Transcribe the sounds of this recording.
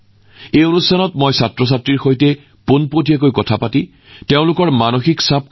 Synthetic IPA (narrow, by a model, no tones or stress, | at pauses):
ejonustʰanɔtmojsatɹɔs̬atɹiɹxojtɛ | ponpotijak̬ojkɔtʰapatĩ | teʊ̃lʊkɔɹmanoxiksab̚k